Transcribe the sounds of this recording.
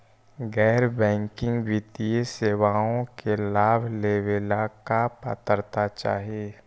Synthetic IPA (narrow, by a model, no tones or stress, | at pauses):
ɡɛːɾbɛ̃ːŋkɪ̃ŋɡʋit̪ijeseːwaːõkelaːbʱleːwelakapa̰t̪əɾt̪at͡ʃa̰ːɦieː